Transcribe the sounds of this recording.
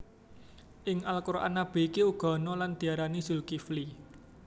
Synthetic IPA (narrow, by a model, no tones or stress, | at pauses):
ʔɪŋʔalkuɾʔa̰nab̥e̤ikiuɡ̥ɔ̤nɔland̪̥i̤aɾaniz̥ulkifli